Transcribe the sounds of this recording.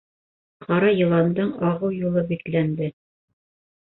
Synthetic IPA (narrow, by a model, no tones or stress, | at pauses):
qʰɑɾɑjɤ̆lˠɑnd̪ɤɴɑʁɤwjulˠɤbiklænd̪ɘ